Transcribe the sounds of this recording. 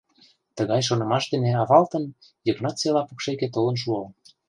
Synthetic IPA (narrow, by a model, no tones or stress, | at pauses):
t̪ə̆ɣɑjʃ̬onɤ̆mɑʃd̪ĕneɑβɑlt̪ə̆n | jə̆knɑt͡selɑpukʃeket̪olɤ̆nʃ̬uɤ